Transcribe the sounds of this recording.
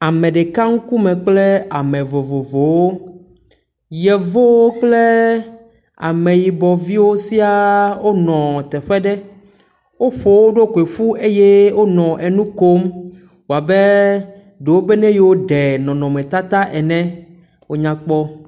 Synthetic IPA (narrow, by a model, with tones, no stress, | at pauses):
a˨mɛ̃˨ɖe˨ka˦ŋ̩˦ku˦mɛ̃˨k͡ple˦a˨mɛ̃˨vo˨vo˨vo˨wo˦ | jɛ˨vo˦wo˦k͡ple˦ | a̰˨mẽ˨ji˨bɔ˨vi˦wo˦si˦a˦wo˦nɔ̃˨t̪ɛ˨ɸɛ˦ɖɛ˦ | wo˦ɸo˨wo˦ɖo˦ke˨ɸu˦e˦je˦wo˦nɔ̃˨ʔɛ˨nũ˦ko˦m | wo˨a˨be˦ | ɖe˨wo˦be˦nɛ̃˦je˨wo˦ɖɛ˨nɔ̃˨nɔ̃˨mɛ̃˨t̪a˦t̪a˦ʔɛ˨nɛ̃˦ | wo˦ɲã˦k͡pɔ˦